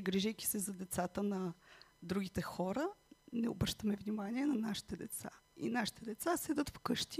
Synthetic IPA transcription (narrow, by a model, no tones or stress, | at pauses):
ɡɾiʒɛjkʲi̥sɛzɐd̪ɛt̪sat̪ənɐd̪ɾuɡʲit̪ɛxɔɾənɛʊ̰bɾəʃt̪əmɛvnimaniɛnɐnaʃi̥t̪ɛd̪ɛt̪sa̰ḭnaʃi̥t̪ɛd̪ɛt̪sasɛd̪ət̪fkɤʃt̪i